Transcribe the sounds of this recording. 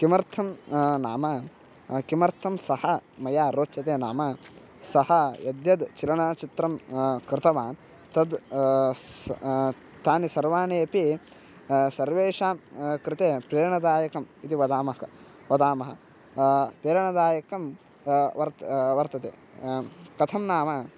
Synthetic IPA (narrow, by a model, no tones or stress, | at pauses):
kimɐɾt̪ʰɐmna̰ːmɐ | kimɐɾt̪ʰɐmsɐhɐmɐjaːɾoːt͡ʃɐt̪eːnaːmɐ | sɐhɐjɐd̪jɐd̪t͡ʃilɐnaːt͡ʃit̪ɾɐmkɾɪt̪ɐʋaːn | t̪ɐd̪ | t̪aːnisɐɾʋaːneːɐpi | sɐɾʋeːʂaːmkɾɪt̪eːpɾeːɾɐɳɐd̪aːjɐkɐmit̪iʋɐd̪aːmɐɦɐɐ | ʋɐd̪aːmɐɦɐ̰ | pɾeːɾɐɳɐd̪aːjɐkɐm | ʋɐɾt̪ʋɐɾt̪ɐt̪ḛː | kɐt̪ʰɐmnaːmɐ